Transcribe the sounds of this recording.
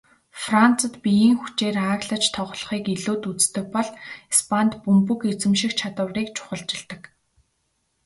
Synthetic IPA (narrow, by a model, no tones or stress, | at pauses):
fran̥t͡sə̆t̪pʲijiːŋxut͡ɕeːraːɣɮə̆t͡ɕt̪ʰɔʁ̆ɮ̆χiːkiɮuːt̪ut͡st̪ɘ̆k̚pɔɮispʰant̪pumpɵ̆ket͡sɘ̆mʃĭkt͡ɕʰat̪ə̆wriːkt͡ɕʰʊ̥χə̆ɮt͡ɕɪ̆ɮt̪ə̆k